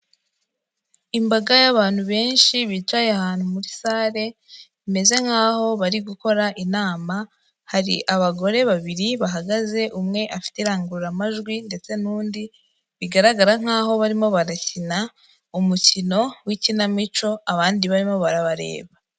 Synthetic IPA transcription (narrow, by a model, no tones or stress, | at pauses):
imbaɡajaβaːn̥huβe̞ːnʃiβiːtwaːjahaːn̥humuɾisaːɾe̞βime̞ze̞ŋ̥aːho̞βaɾiɡuko̞ɾaʔinaːma | haɾḭʔaβaɡo̞ɾe̞βaβiɾiβaɦaɡaze̞ʔumŋe̞ʔafi̥teɾaːŋɡuɾuɾamaʒɡwinde̞t͡se̞nuːndi | βiɡaɾaɡaɾaŋ̥aːɦo̞βaɾimo̞βaɾacina | umucino̞wicinamit͡ʃo̞aβaːndiβaɾimo̞βaɾaβaɾe̞̰ːβa